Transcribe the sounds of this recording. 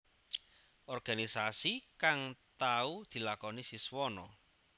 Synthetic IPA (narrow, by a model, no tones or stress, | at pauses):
ʔɔrɡ̥anisasikaŋt̪aud̪̥i̤lakɔnisiswɔnɔ